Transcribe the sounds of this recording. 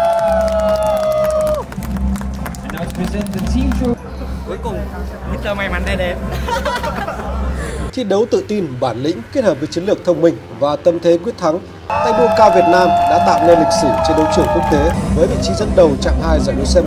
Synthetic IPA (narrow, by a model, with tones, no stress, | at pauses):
i˧zɛ˧n˨i˧ | ku˨˦əjkʊ˨˩ŋ͡mi˧˦˥t̪əː˧˦ma˨jma˨˦nt̪a˧ɗe˧˩m | t̪ʰi˧ɗə˨˦wt̪ɨ̰˧˨t̪i˧nɓaː˧˩nlḭ̈˧˥ŋ̟ki˦˥t̚həː˨˩p̚vəː˨˦jt͡ɕə˨˦ŋlɨ˨˩ək̚t̪ʰə˧wŋ͡mmï˧˩ŋ̟ | vaː˨˩t̪ə˧mt̪ʰe˨˦kwi˦˥ət̪ʰa˨˦ŋ | t̪a̰ː˧˨jŋmo˧nkaː˧wvi˨˩ət̚naː˧mɗa̰ː˧˥t̪a̰ː˧˨wne˧nlï˨˩k̟sɨ˧˩t͡ɕe˧nɗə˨˦wt͡ɕɨ˧˩əŋku˦˥ək̚t̪e˨˦vəː˨˦jvḭ˧˨t͡ɕi˨˦zə˧nɗə˨˩wt͡ɕa̰ː˧˨mhaː˧jza̰ː˧˩jɗo˨˧˦sɛ˧